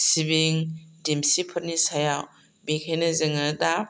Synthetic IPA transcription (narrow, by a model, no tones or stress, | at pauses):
sibiŋdimsipʰɯt̚nisajaw | bekʰejnɯzɯŋɯdap̚